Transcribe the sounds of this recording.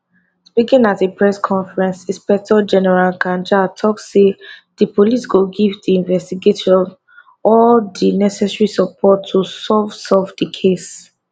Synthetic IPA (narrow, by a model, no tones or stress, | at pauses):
spikĩŋatepʰɹɛskʰɔ̃nfɹɛ̃nsĩspɛk̚tɔd͡ʒɛnɛɹalkãnd͡ʒatʰɔksːedipʰolisɡoɡivdiĩnvɛstiɡetɔv | ɔldinɛsɛsɹisɔpʰɔtʰːusɔvsɔvdikʰes